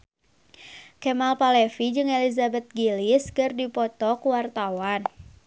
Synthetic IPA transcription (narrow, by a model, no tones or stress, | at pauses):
kɛmalpalɛfid͡ʒɨŋelizabɛt̪̚ɡiliskɨrdipɔt̪ɔkuwart̪awan